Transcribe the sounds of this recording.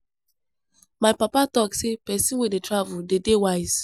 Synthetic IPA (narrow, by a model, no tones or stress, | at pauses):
maɪpapatɔksepɛsĩnwedetɹavuldedewaɪz̥